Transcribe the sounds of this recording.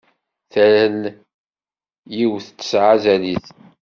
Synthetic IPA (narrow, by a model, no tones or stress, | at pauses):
θæɾən | jiwθt͡sːə̥sʕazæliθ